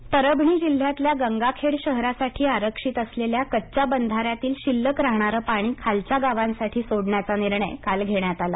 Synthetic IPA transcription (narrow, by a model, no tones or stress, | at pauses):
pəɾəbʱɳiːd͡ʑil̤ːjat̪ljaɡəŋɡakʰeɽɕəɦɾasaʈʰiːaɾəkʂit̪əsleljakətːt͡ɕabənd̪ʱaɾjat̪iːlɕilːəkɾaɦɳaɾəpaɽ̃iːkʰalt͡ɕjaɡaʋãnsaʈʰiːsoɽɳjat͡saniɾɳə̰jkalɡʱeɳjat̪ala